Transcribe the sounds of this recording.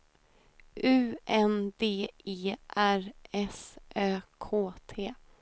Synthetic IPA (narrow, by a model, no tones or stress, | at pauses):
ʔʉ̟ːʔɛnd̪eːeːʔæɾɛsʔøːkʰoːt̪ʰeː